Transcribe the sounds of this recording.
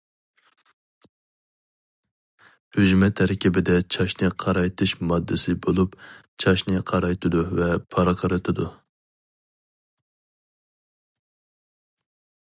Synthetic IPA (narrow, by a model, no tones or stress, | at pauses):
hyd͡ʒmɛt̪ʰːæɾkʲʰibɪd̪ɛt͡ʃʰɑʃnɨqʰɑɾɑjt̪ʰɨʃmɑd̪ːɨsɨbolˠup | t͡ʃʰɑʃnɨqʰɑɾɑjt̪ʰɨd̪uvɛpʰɑɾɨqʰɑɾɨt̪ʰɨd̪u